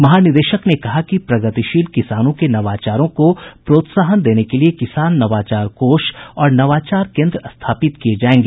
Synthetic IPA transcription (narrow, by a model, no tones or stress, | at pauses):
mɐɦaːnɪd̪eːʃəknekɐɦakipɾɐɡət̪ɪʃiːlkɪsaːnõkenɐʋaːt͡ʃaːɾõkopɾoːt̪saːɦənd̪eːnekeliekɪsaːnːɐʋaːt͡ʃaːɾkoːʃɔːɾnɐʋaːt͡ʃaːɾkẽːnd̪ɾəɐst̪ʰaːpɪt̪kied͡ʒaːẽːŋɡeː